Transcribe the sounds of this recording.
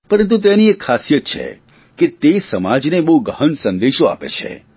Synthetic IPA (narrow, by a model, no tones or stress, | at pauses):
pəɾənt̪̬ũt̪̬eniekʰːasijət̪t͡ʃʰḛ | ket̪esəmad͡ʒnebəɦuɡəɦənsənd̪eʃoa̰pḛt͡ʃʰḛ